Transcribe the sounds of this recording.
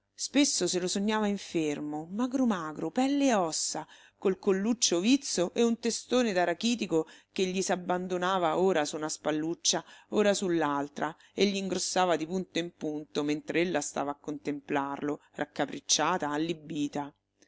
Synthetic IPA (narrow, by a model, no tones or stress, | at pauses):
spesːoselosoɲːaːvaiɱfermomaɡɾomaːɡɾopɛlːeɔsːa | kolkolːut͡ʃːovit̪sːoʔeunt̪est̪oːned̪aɾakiːt̪ikokeʎːisabːand̪onaːvaoːɾasunaspalːut͡ʃːaoːɾasulːalt̪ɾʔa | eʎːiːŋɡɾosːaːvad̪ipunt̪oimpunt̪oment̪ɾeelːast̪a̰vaːkːont̪emplarlorʔakːapɾit͡ʃːaːt̪aːlːibːiːt̪a